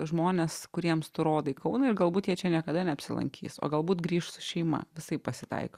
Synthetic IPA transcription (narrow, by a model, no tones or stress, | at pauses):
ʒmoːnʲeskʊɾʲiɛmst̪ʊɾoːd̪ɐɪkɐʊnɐɪɾɡɐlˠbuːt̪jiɛt͡ʃʲɛnʲiɛkɐd̪ɐnʲɛɐpʲsʲɪlˠɐ̰ŋʲkʲʰḭːso̰ːɡɐlˠbuːt̪ɡɾʲiːʃsʊ̥ʃʲɛɪmɐ̰ʋʲɪsɐɪppɐsʲɪt̪ɐ̰ɪko